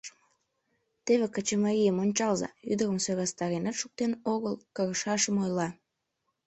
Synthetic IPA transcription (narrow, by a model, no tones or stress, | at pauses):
t̪eβekət͡ɕəmɑɾʲijəmonʲt͡ɕɑlzɑ̰yd̪ərəmsøɣɑst̪ɑɾenet̪ʃuk̚t̪enoɣəlˠkəɣəʃɑʃəmojlɑ